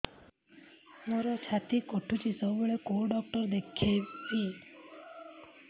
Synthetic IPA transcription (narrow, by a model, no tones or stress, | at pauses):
moɾɔt͡ʃʰat̪ikoʈʰut͡ʃisɔməɭekoɾɖɔk̚ʈɔɾd̪ekʰepi